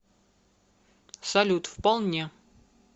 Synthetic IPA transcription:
sɐlʲut̪fpɐlˠnʲe

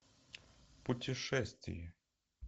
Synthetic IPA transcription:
pʊtʲɪʂɛsʲt̪ʲvʲɪ̰jɛ

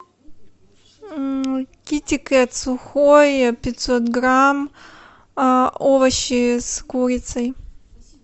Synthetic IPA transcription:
kʲitʲɪkɨɐt̪sʊxojpʲɪt̪sot̪ɡɾam | ovɐɕɪskuɾʲɪt̪sɐj

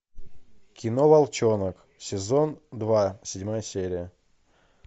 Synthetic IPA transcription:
kʲɪnovalˠt͡ɕonək | sʲɪzond̪vasʲɪdʲmajəsʲeɾʲɪjə

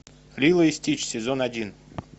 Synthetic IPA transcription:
lʲilˠəɪsʲtʲit͡ɕsʲɪzonɐdʲin

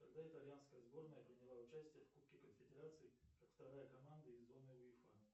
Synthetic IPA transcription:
kɐɡd̪aɪt̪ɐlʲjanskəjəzbo̞rnəjəpɾʲɪnʲɪlˠaʊt͡ɕæsʲtʲɪjəfkup̚kʲɪkənfʲɪdʲɪɾat̪sɨɪkakft̪ɐɐɾajəkɐmand̪ɨɪzːo̞nɨʊɪfa̰

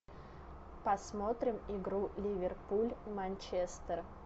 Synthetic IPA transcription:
pɐsmot̪ɾʲɪmɪɡɾulʲɪvʲɪrpulʲmɐnʲt͡ɕest̪ər

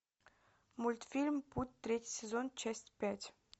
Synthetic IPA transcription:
mult̪filʲmput̪̚ʲt̪ːɾetʲsʲezonʲt͡ʃesʲt̪ʲpʲat̪ʲ

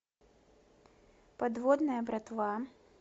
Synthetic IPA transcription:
pad̪vɔd̪nɐjɐbɾat̪va

